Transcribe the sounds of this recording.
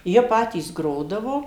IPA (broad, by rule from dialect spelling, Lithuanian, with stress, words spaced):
ˈjiɛ ˈpɑːtʲiːs ˈɡroːdɐʋoː